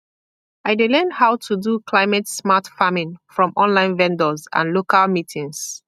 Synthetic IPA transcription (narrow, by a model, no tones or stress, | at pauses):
aɪdelɛnhaʊtʰudukʰlaɪmɛtsmatfamĩnfɹɔ̃mʔɔ̃nlãɪ̃nvɛ̃ndəzã̰nlokalmitʰĩŋs